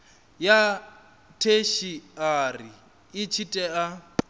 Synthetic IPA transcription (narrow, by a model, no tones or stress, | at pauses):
ja | tʰeʃiari | ɪt͡ʃʰitʼɛa